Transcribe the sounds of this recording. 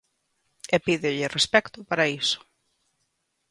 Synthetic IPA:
epiðɪʎɪrespɛkt̪ʊpaɾaisʊ̥

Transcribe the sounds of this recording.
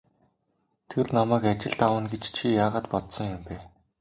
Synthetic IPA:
t̪ʰeɮnamæːkat͡ɕɪ̆ɮt̪awə̆nɡet͡ɕt͡ɕʰijaːʁaːt̪pɔt̪sɞ̆ŋjʊmpæː

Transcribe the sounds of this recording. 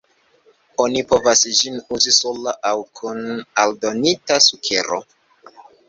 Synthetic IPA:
o̞nipo̞vasd͡ʒinuzisolaʔawkʰunaldo̞nitasukʰe̞ɾo̰

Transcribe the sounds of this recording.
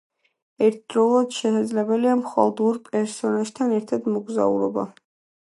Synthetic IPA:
ɛɾt̪̚ʰd̪ɾɔlˠad̪̥ʃɛsad̪zlɛbɛliamχa̰lˠd̪uɾpʼɛɾsɔnaʒt̪ʰanɛɾt̪ʰad̪mɔɡza̰ṵɾɔba̰

